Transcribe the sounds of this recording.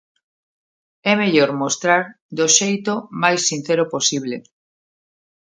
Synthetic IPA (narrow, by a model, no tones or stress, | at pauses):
ɛmeʎoɾmost̪ɾaɾ | d̪oʃejt̪omajsːin̟θɛɾoposiβle